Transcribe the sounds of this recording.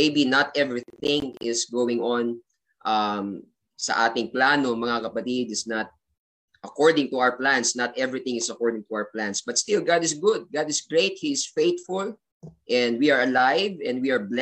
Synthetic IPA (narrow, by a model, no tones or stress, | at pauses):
ejbinɐt̪ɛvɹiθɪ̃ŋɪsɡowɪ̃ŋɔn | ʔam | sɐ̰ʔaːt̪ɪŋplanomɐŋakɐpɐt̪id̪ɪsnɐt̪̚ | ʔɐkɔɹd̪ɪ̃ŋt̪ʊawəɹplãnsnɐt̪ʔɛvɹiθɪ̃ŋɪsɐkɔɹd̪ɪ̃ŋt̪ʊawəɹplãnsbɐt̪st̪ɪlɡad̪ɪsɡʊd̪̚ɡad̪ɪsɡɹeɪt̪̚hiɪsfejt̪fʊl | ʔɛ̃nd̪̚wiɐɹɐlajvɛ̃nd̪̚wiɐɹbl